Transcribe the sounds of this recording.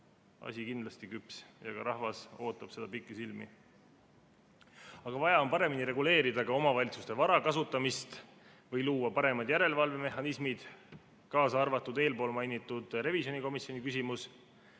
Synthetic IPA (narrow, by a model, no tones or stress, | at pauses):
ɑ̰sʲikind̪lɑst̪ikypsjɑɡ̥ɑɾɑhvɑso̞ːt̪ːˑɑb̥se̞d̪̥ɑpikˑːisilmḭ | ɑɡ̥ɑvɑjɑo̞npɑɾe̞miniɾe̞ɡule̞ːɾid̪̥ɑkɑo̞mɑvɑlʲit̪sust̪e̞vɑɾɑkɑsut̪ːˑɑmist̪ | vɤjluːɑpɑɾe̞mɑd̪̥jæɾe̞lvɑlve̞me̞hɑnismid̪̥ | kɑːsɑɑrvɑt̪ˑːud̪e̞ːlpo̞ːlmɑjnit̪ːˑud̪̥re̞viso̞niko̞misjo̞nikysʲimus